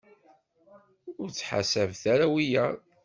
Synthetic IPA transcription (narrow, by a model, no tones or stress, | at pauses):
ʊɾt͡sːħa̰sævθæɾæwijæ